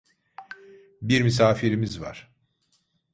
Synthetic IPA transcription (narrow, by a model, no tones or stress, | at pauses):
biɾmys̬aːfiɾimizva̰ɾ̥